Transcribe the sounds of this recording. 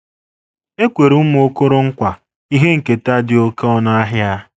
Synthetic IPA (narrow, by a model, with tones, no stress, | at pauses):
e˦kʷe˨ɾu˦m˦o˦ko˦ɾo˦ŋ̩˦kʷa˨ | i˦ɦe˦ŋ̩˨ke˨ta˦dɪ˨o˦kɔ˦na˦a˦ɦja˦